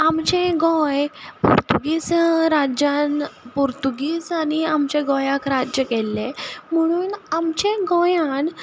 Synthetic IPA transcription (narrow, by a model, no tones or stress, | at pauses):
amt͡ɕẽɡɔ̃jpṵɾt̪uɡisɾad͡ʑanpuɾt̪uɡiːsaniamt͡ɕeɡɔjakɾad͡ʑjəkɛlːem̤əɽ̃uːnamt͡ɕẽɡɔjan